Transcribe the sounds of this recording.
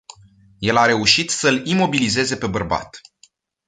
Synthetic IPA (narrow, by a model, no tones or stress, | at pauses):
je̞laɾe̞uʃit̪səlimo̞bilize̞ze̞pe̞bərba̰t̪